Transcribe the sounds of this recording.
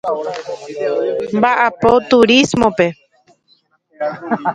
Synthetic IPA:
mbaʔapot̪uɾismõpe̞

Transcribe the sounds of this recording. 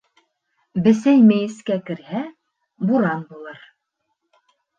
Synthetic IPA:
bɘ̆sæjmɘjɘ̆skækɘ̆ɾhæ | buɾɑnbulˠɤɾ

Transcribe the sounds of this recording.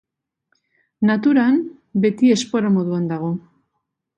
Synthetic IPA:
nat̪uɾan | be̞t̪ie̞spo̞ɾamo̞ðuand̪aɣ̞o̞

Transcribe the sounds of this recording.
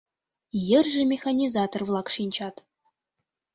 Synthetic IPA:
jɘ̆rʒɘ̆mʲexanʲizɑt̪orvlˠɑkʂinʲt͡ɕɑt̪

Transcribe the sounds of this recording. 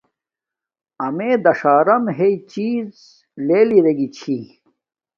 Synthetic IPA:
ɐmeːd̪ɐʂaːɾɐmɦeit͡ɕiːz | leːliɾeɡit͡ɕʰi

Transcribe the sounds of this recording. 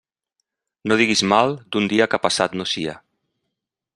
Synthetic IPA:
noð̞iɣizmalˠd̪und̪iakapasat̪nosia̰

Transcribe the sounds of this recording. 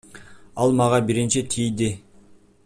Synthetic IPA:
ɑlˠmɑʁɑbiɾint͡ʃit̪ʰijd̪ɪ

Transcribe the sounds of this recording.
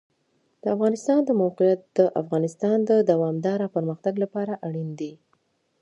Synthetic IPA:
d̪̥əafɣɑnɪst̪ɑnd̪əmawqɪjat̪̚d̪əʔa̰fɣɑnɪst̪ɑnd̪əd̪awɑmd̪ɑɾapəɾməxt̪aɡlapɑɾaʔaɽind̪i

